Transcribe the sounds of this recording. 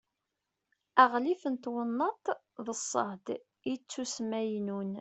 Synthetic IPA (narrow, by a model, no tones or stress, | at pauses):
æʁlifənt̪wənːɑt̪ | ðəsˤːɑ̰hd̪ | it͡sːusmæjnun